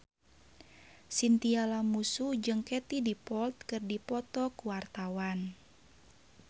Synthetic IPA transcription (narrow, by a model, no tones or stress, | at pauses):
sint̪ialamusud͡ʒɨŋkɛt̪idipɔlt̪̚kɨrdipɔt̪ɔkuwart̪awan